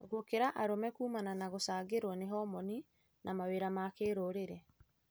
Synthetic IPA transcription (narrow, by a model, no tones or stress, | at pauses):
ɣwokeɾaʔaɾomɛkuːmananaɣosaːɣeɾwɔneɦɔmɔni | nʔamaweɾamakeːɾoɾeɾɛ